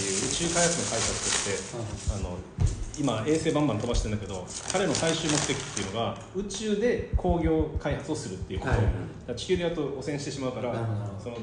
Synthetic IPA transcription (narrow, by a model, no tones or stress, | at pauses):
ejɯ̟ːɯ̟t͡ɕɨːkaihat͡sɨnokaisat͡sɨ̥t̪ot̪ːe̞ano̞imae̞ːse̞ːbãmbãnit̪obaɕi̥t̪ẽ̞nd̪ake̞d̪o̞kaɾe̞no̞saiɕɨːmokɯ̥t̪ekʲi̟̥t̪ːe̞iɯ̟no̞ɡa | ɯ̟t͡ɕɨːd̪e̞kʰo̞ːɡʲo̞ːkaihat͡sɨo̞sɨɾɯ̟t̪ːe̞iɯ̟ko̰t̪od̪at͡ɕi̥kʲɨːɲ̟ijat̪ːoosẽ̞ɕi̥t̪eɕimaɯ̟kaɾaso̞no